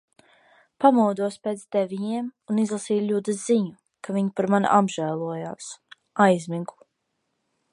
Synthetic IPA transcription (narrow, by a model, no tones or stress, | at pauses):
pamɔwd̪uɔspeːt̪sd̪ɛvʲiɲiɛmunizlˠasiːjʎud̪ɨziɲu | kaviɲipaɾman̰ʔabʒæːlˠuɔja̰ːs | ajzʲmiɡu̥